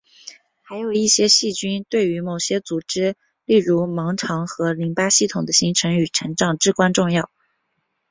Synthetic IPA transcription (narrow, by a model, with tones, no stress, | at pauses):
xa˧˥ɪjo˨˩ʊi˥˩ɕjɛ˥ɕi˥˩t͡ɕy˥nt̪we˥˩ɪy˧˥mo˨˩ʊɕjɛ˥t͡su˨˩ʈ͡ʂɻ̩˥ | li˥˩ɻu˧˥mɑ˧˥ŋʈ͡ʂʰɑ˧˥ŋxɤ˧˥li˧˥ŋpa˥ɕi˥˩t̪ʰʊ˨˩ŋd̪ə˦ɕi˥ŋʈ͡ʂʰɤ˧˥ŋy˨˩ʈ͡ʂʰɤ˧˥ŋʈ͡ʂɑ˨˩ŋʈ͡ʂɻ̩˥˩kwa˥nʈ͡ʂʊ˥˧ŋjɑ˥˩ʊ